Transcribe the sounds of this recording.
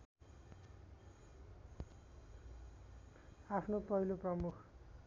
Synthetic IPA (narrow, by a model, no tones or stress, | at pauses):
apʰnopʌɦiloprʌmukʰ